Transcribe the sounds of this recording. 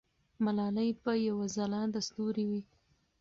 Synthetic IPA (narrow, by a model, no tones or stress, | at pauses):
malɑlajpəjawazalɑd̪ast̪uɾiwi